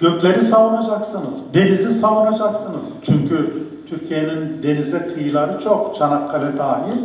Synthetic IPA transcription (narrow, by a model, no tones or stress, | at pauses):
ɟ̥ø̞clʲe̞ɾisavunad͡ʒaksɯnɯzd̪e̞nizisavunad͡ʒaksɯnɯz̥t͡ʃʰyɲcʰy | t̪ʰyɾcʰijenind̪e̞nizɛkʰɯjɯlˠaɾɯt͡ʃʰo̞kt͡ʃʰanaklaɾɯd̪aːɦilʲ